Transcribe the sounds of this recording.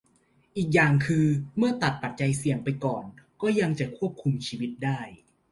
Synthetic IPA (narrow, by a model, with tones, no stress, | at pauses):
ʔiː˨˩k̚jaː˨˩ŋkʰɯː˧mɯ˥˩ɐt̪a˨˩t̪̚pa˨˩t̪̚t͡ɕa˧jsi˨˩əŋpa˧jkɔː˨˩nkɔː˥˩ja˧ŋt͡ɕa˨˩kʰu˥˩əp̚kʰu˧mt͡ɕʰiː˧wi˦˥t̪̚daː˥˩j